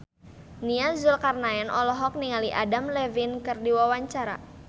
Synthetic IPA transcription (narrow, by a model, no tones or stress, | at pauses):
niazʊlkarnaɛnʔɔlɔɦɔk̚niŋaliʔadamlɛvinkɨrdiwawaɲt͡ʃaɾa̰